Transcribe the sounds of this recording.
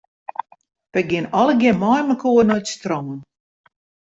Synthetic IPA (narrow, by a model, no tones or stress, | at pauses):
pɛɡɪnɔlˠəɡɪmɔjməkʰuənɔjtstrɔːən